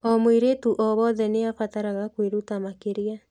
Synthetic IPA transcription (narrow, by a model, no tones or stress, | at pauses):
ɔmwiɾetuʔɔβɔðɛneafataɾaɣakweɾutamakeɾja